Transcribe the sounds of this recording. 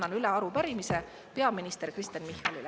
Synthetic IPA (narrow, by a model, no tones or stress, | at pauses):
ɑnylɛɑɾupæɾimise | pe̞ɑminist̪erkrist̪enmihːɑlil